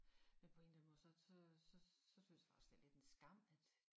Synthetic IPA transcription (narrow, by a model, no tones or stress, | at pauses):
menpʰɒ̽e̝̰nd̥æmɔ̽ːsɒ̽sɒsɒ̽sɒ̽synsjfɑ̈sd̥eɐle̝d̥e̝nsɡ̥ɑ̈m̰æd̥